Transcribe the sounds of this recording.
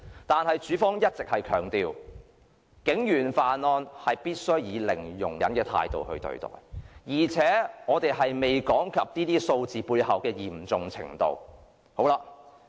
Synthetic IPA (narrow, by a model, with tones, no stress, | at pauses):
t̪aː˨nhɐ˨jt͡ʃyː˨˥fɔː˥ŋjɐ˥t̚t͡sɪ˨k̚hɐ˨jkʰœː˨˩ŋt̪iː˨w | kɪ˨˥ŋjyː˨˩nfaː˨nɔː˧nhɐ˨jpiː˥t̚sɵ˥ɥjiː˨˧lɪ˨˩ŋjʊ̰˨˩ŋjɐ˨˥nkɛː˧t̪ʰa̰ː˧jt̪o̰˨˧whɵ̰˧t̪ɵ̰˧ɥt̪ɔ̰ː˨˩jjiː˨˩t͡sʰɛː˨˥ŋɔː˨˧t̪e˨jɦɐ˨jme˨jkɔː˨˥ŋkʰɐ˨p̚niː˥t̪iː˥so˧wt͡siː˨puː˧jhɐ˨wkɛː˧jiː˨˩mt͡sʊ˨ŋt͡sʰɪ̰˨˩ŋt̪o̰˨w | ho˨˥wla˧